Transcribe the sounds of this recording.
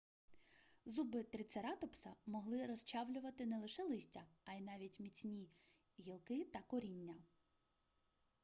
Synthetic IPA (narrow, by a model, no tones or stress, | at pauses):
zubɪt̪ɾɪt̪seɾɑt̪ɔpsɐmɔɦlˠɪɾɔst͡ʃɑwlʲʊʋɐt̪ɪnɛlˠɪʃɛlˠɪsʲtʲɐɐjnɑʋʲitʲmʲit͡sʲnʲi | ɦʲilˠkɪt̪ɐkɔɾʲinʲːɐ